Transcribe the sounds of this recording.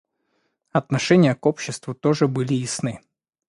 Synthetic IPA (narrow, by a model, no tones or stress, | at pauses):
ɐt̪nɐʂɛnʲɪjəkopɕːɪst̪vʊt̪oʐɨbɨlʲɪɪsnɨ